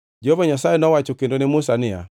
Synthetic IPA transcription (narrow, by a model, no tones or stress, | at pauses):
d͡ʒovɔɲasajenɔwat͡ʃokendonɪmʊsanɪa̰